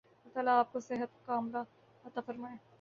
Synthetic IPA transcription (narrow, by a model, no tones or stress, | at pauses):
laːt̪aːlaːp̚kosɪɦət̪kaːmɾa | ɐt̪afɐɾmaːẽː